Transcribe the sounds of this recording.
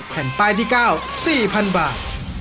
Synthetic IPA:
pʰɛ˩˦npaː˧jt̪ʰiː˥˩kaː˥˩wsiː˨˩pʰa˧nbaː˨˩t̪̚

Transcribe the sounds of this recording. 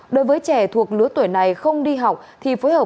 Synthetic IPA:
ɗo˨˦jvəː˨˦jt͡ɕɛ˧˩t̪ʰu˨˩ək̚lɨ˨˦ət̪wə˧˩jna˨˩jxə˧wŋ͡mɗi˧ɦa˨˩wk͡p̚t̪ʰi˨˩fo˨˦jhəː˨˩

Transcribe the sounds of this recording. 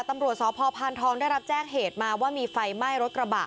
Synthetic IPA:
t̪a˧mɾu˨˩t̪̚sɔː˩˦pʰɔː˧pʰaː˧nt̪ʰɔː˦˥ŋdaː˥˩jɾa˦˥p̚t͡ɕɛː˥˩ŋɦeː˨˩t̪̚maː˧waː˥˩miː˧fa˧jma˥˩jɾo˦˥t̪̚ɾa˧baː˨˩

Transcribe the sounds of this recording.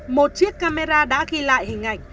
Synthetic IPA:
mo˨˩t̚t͡ɕi˦˥əkːaː˧me˧zaː˧ɗa̰ː˧˥ɣi˧la̰ː˧˨jhï˨˩ŋ̟ʔa̰˨˧˩jŋ̟

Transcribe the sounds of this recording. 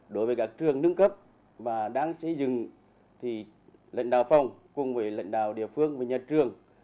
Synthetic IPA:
ɗo˨˦jvəː˨˦jkaː˦˥k̚t͡ɕɨ˨˩əŋnɨ˧˥əŋkə˦˥p̚ | vaː˨˩ɗaː˧˥ŋsə̰˧˥zɨ˨ŋ | t̪ʰi˨˩ | lə̰˧˨ŋ̟ɗaː˨˩wfa˨˧˩wŋ͡mkʊ˨˩ŋ͡mvəː˨˦jlə̰˧˨jŋ̟ɗaː˨˩wɗḭ˧˨əfɨ˧əŋva˨˩ɲa˨˩t̚t͡ɕɨ˨˩əŋ

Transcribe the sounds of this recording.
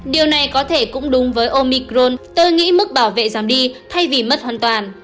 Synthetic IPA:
ɗi˨˩əwna˨˩jkɔ˨˦t̪ʰe˧˩kʊ̰˧˥ŋ͡mɗʊ˨˦ŋ͡mvəː˨˦jʔo˧mi˧kzo˧nt̪o˧jŋḭ˧˥mɨ˦˥k̚ɓaː˧˩wvḛ˧˨zaː˨˦mɗi˧t̪ʰa˧jvi˨˩mə˦˥t̚hwaː˧˨nt̪waː˨˩n

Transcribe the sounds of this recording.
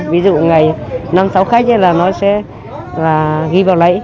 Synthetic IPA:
vi˨˦zṵ˧˨ŋa˨˩jna˧msa˨˦wxaː˦˥k̚laː˨˩nɔ˨˦sɛ̰˧˥ | laː˨˩ɣi˨˧˦vaː˨˩wlə̰˧˥˦j

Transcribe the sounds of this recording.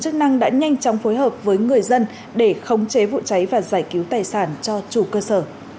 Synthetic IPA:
t͡ɕɨ˦˥k̚na˧ŋɗa̰ː˧˥ɲa˧jŋ̟t͡ɕɔ˨˦wŋ͡mfo˨˦jɦəː˨˩p̚vəː˨˦jŋɨ˨˩əjzə˧n | ɗe˧˩xə˨˦wŋ͡mt͡ɕe˨˦vṵ˧˨t͡ɕa˨˦jvaː˨˩zaː˧˩jki˨˦wt̪aː˨˩jsaː˧˩nt͡ɕɔ˧t͡ɕu˧˩kəː˧səː˧˩

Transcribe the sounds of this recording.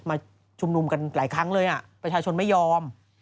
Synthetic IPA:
maː˧ | t͡ɕʰu˧mnu˧mka˧nlaː˩˦jkʰɾa˦˥ŋlɤː˧jʔa˨˩pɾa˧t͡ɕʰaː˧t͡ɕʰo˧nma˥˩jːɔː˧m

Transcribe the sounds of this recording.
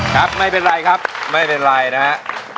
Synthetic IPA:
kʰa˦˥p̚ma˥˩jpe˧nɾa˧jkʰa˦˥p̚ma˥˩jpe˧nɾa˧jna˦˥ʔ

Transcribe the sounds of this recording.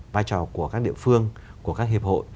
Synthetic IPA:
vaː˧jt͡ɕɔ˨˩ku˧˩əkaː˦˥k̚ɗḭ˧˨əfɨ˧əŋku˧˩əkaː˦˥k̚hi˨˩p̚ho̰˧˨j

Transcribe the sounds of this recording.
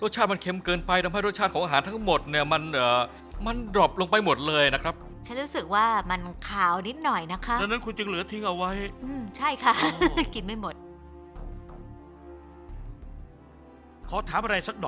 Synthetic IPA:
ɾo˥˩t̪̚t͡ɕ̪̚ʰːma˧nkʰe˧mkɤː˧npa˧jt̪ʰa˧mɦa˥˩jɾo˥˩t̪̚t͡ɕʰaː˥˩t̚kʰːŋʔːɦaː˩˦nt̪ʰa˦˥ŋmo˨˩t̪̚ni˥˩ɐma˧nʔəː˨˩ | ma˧ndɾɔ˨˩p̚lo˧ŋpa˧jmo˨˩t̪̚lɤː˧jna˦˥kʰɾa˦˥p̚ | t͡ɕʰa˦˥nɾuː˦˥sɯ˨˩k̚waː˥˩ma˧nkʰaː˨˩wni˦˥t̪̚nɔ˨˩jna˦˥kʰa˦˥da˧nːa˦˥nkʰu˧nt͡ɕɯ˧ŋlɯ˩˦ɐt̪ʰi˦˥ŋʔa˧wa˦˥jʔɯː˧˩mt͡ɕʰa˥˩jkʰa˦˥ki˨˩nma˥˩jmo˨˩t̪̚ | kʰɔː˩˦t̪ʰaː˩˦mʔa˧ɾa˧jsa˨˩k̚dɔː˨

